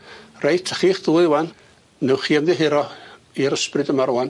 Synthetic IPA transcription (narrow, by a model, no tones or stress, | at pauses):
rejtʰə̥χiːχð̥uːwan | nɛwχiːəmðɪɦɪɾɔ | iɾəsprɨdəmaɾwan